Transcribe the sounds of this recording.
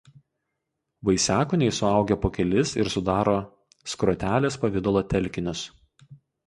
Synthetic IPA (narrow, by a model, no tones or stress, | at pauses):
ʋɐɪsʲæːkʊnʲɛɪsʊɐˑʊɡʲɛpoːkʲɛlʲɪsɪɾsʊd̪ɑːɾoː | skɾoːt̪ʲæːlʲeːspɐʋʲɪd̪olˠoːt̪ʲɛlʲˑkʲɪnʲʊs